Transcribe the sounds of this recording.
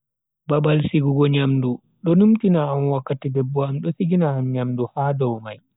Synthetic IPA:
babalsiɡuɡɔɲamdu | ɗɔnumtinaːmwakːatidɛbːɔamɗɔsiɡinaːmɲamduhadɔwmaj

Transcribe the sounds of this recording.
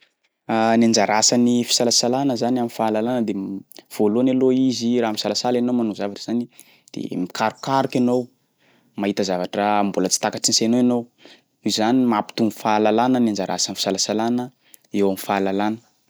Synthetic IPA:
anand͡ʒaɾasanifi̥salasalanəzanamifaːlalanəd̪ev̥olonaloiziɾamisalasalenowmanuzavaʈ͡ʂəz̥ani | d̪̥ḛmikʰaɾukaɾukanow | maɦit̪əzavaʈ͡ʂəmbulət͡si̥t̪akaʈ͡ʂinsenoenow | uzanimapi̥t̪umfalalanənand͡ʒaɾa̰sanifi̥salasalanə | ewamifalalanə̥

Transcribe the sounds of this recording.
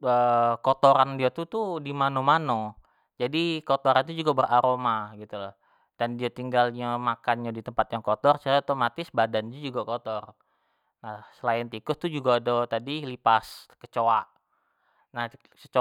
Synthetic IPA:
əkot̪oɾandiat̪ut̪udimanomano | d͡ʒadikot̪oɾant̪̬ud͡ʒuɡabərʔaɾomaɡit̪ulah | d̥andiat̪iŋɡalɲamakanɲadit̪əmpat̪̚jaŋkot̪ɔrt͡ʃaɾat̪omat̪ɪsbadand͡ʒad͡ʒuɡakot̪ɔr | nasəlaɪnt̪ikʊst̪ud͡ʒuɡaːdot̪adilipaskət͡ʃoaʔ | nah | t͡ʃət͡ʃ

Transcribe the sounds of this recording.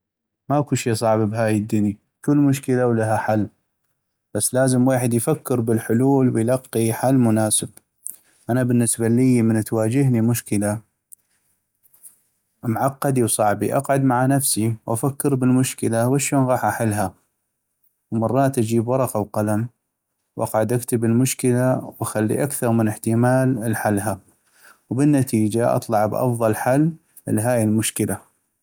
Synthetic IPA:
maʔkuʃiːsˤɑʕbabɦaːjɪd̪ːʊni | kʊlːmʊʃkəlawlaɦaħalː | b̥asːlaːzəmweːħɪd̪jfakːɪɾbɪlħʊluːlwɪjlɑqːiħalːmʊnaːsɪb | ʔanabɪnːɪsbalijːmənt̪waːd͡ʒɪɦnimʊʃkəla | mʕɑqːɑd̪iwsˤɑʕbiʔɑqʕʊd̪maʕanafsiwʔafakːɪɾbɪlmʊʃkɪlawaʃoːnɣɑːħʔaħɪlːɦa | wmɑrˤːɑːt̪ʔad͡ʒiːbwɑɾˤɑqɑwqalam | wʔa̰qʕad̪ʔakt̪ɪbɪlmʊʃkɪlawaxalːḭʔakθɑɾˤmɪnɪħt̪ɪmaːlɪlħalːɦa | wbɪnːat̪iːd͡ʒaʔɑ̰t̪ˤlɑʕbʔɑ̰fðˤɑlħalː | lɦaːjɪlmʊʃkɪlʔa

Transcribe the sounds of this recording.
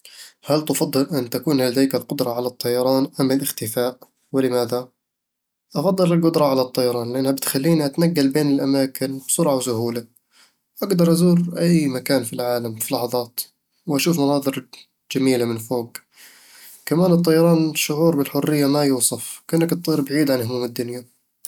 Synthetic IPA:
halt̪ʊfɑd̪ˤːɨlʔɪnːt̪akuːnlad̪aːkɪlqʊd̪ɾˤɑʕalat̪ˤːɑjɑɾˤɑːnʔamːɪlʔɪxt̪ɪfaːʔ | wɪlɪmaːða | ʔɑfɑd̪ˤːɨlɪlqʊd̪ɾˤɑʕalat̪ˤːɑjɑɾˤɑːnlɪʔanːhabɪt̪xalːiːniʔat̪naɡːalbeːnɪlʔamaːkɪnbsʊɾʕawsʊhuːla | wʔaɡd̪ɑɾˤʔazuːɾʔajmakaːnfilʕaːlamfilɑħɑðˤɑːt̪ | wʔaʃuːfmɑnɑːðˤɨɾ | d͡ʒ̥amiːlamɪnfoːɡ | kamaːnɨt̪ˤːɑjɑɾˤɑːnʃːʊʕuːɾbɪlħʊrːɪjːamajuːsˤɑfkʔɪnːakt̪ˤsˤiːɾbʕiːd̪ʕanhʊmuːmad̪ːʊnja

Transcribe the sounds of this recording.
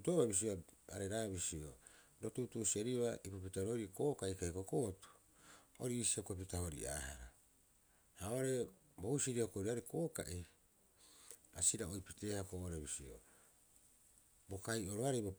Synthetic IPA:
utoβabis̬ioa̰ɾeɾaβisio̰ɾo̞tutusieɾiβaʔipopitaɾo̞ɾikoːkaikajkokotu̥ | o̰ɾiːsiakop̬itahoɾḭa̰ːhaɾa | haoɾe̞ | bohusiɾiahokoɾiaɾiko̞ːka̰ʔi | asiɾaojpite̞ːhakoʔoɾebisio̰ | bo̞kajo̞ɾoaɾejbo

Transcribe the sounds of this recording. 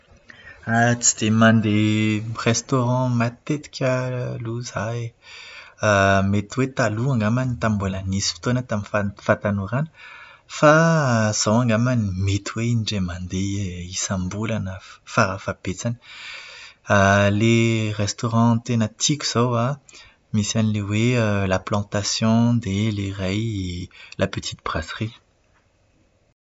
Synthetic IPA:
at͡sid̪̥emãnd̪eʁest̪oʁɑ̃mat̪et̪i̥kʰʲəluzae | met̪wet̪aluãŋɡamanit̪ãmbelanisi̥fi̥t̪onat̪amifafãt̪anuɾanə̥ | faz̥owãŋɡamanimet̪uweiniɖ͡ʐemãnd̪eisãmbulanəfaɾafab̥et͡sani̥ | aleʁest̪oʁɑ̃t̪enat̪ʰikʲu̥z̥owa | misanilewelaplɑ̃t̪asjɔ̃d̪eleʁaj | lʔapət̪ʰi̥t̪̚b̥ʁasʁi

